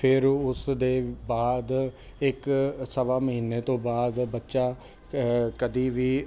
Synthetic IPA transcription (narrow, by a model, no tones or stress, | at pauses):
pʰɪɾʊsd̪eːbaːd̪ | ɪksəʋaːməɦiːneːt̪õːbaːd̪bətːʃaː | kəd̪iːʋiː